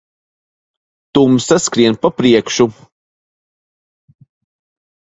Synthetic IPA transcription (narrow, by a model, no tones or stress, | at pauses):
t̪umsaskɾiɛnpapɾiɛkʃu